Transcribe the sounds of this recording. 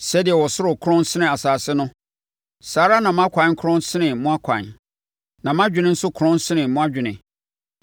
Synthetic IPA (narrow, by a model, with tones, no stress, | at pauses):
sɛ˦dɪ˨ɛ˨wɔ˨sʊ˦ʊ˨kʰʊ˦ɾʊ̃˦n˦sɪ˦nɪ̃˨a˨saː˨sɪ˦nʊ̃˦ | saː˨˦ɾa˦nã˨mã˦kʷʰã˨˦kʰʊ˦ɾʊ̃˦n˦sɪ˦nɪ̃˨mʊ̃˦a˦kʷʰã̰˨n | nã˨m˦ã˦d͡ʑᶣɪ̃˨nɪ̃˦n̩˦sʊ˦kʰʊ˨ɾʊ̃˦n˦sɪ˦nɪ̃˨mʊ̃˦a˦d͡ʑᶣɪ˨nɪ̃˨